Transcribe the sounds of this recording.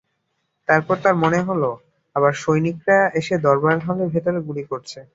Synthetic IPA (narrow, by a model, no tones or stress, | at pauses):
t̪aɾpɔɾt̪aɾmoneɦolo | aβaɾʃojnik̚ɾaeʃed̪ɔɾbaɦalebʱet̪oɾeɡulikoɾt͡ɕʰe